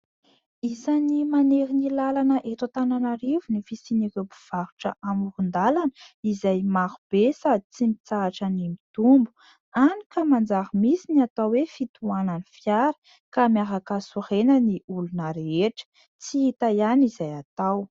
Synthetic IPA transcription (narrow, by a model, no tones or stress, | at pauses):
izanimaneɾinilalanəʔet̪at̪ananaɾivunifisinikeobiv̥aɾu̥ʈ͡ʂə̰ʔamurund̪alanəizajmaɾub̥esad̪it͡simit͡saːʈ͡ʂənimit̪umbu̥ | anikəmand͡zaɾəmisiniat̪awwefit̪uananifjaɾə̥ | kamaɾakasurenəniʔulunəɾeeʈ͡ʂə̥ | t͡siit̪ajanizajat̪aw